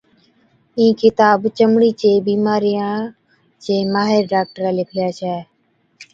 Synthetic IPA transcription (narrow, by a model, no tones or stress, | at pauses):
ĩːkɪt̪aːbt͡ʃəmɳiːt͡ʃeːbiːmaːɾijãː | t͡ʃeːmaːɦeɾɖaːk̚ʈəɾɛːlɪkʰljaːt͡ʃʰɛː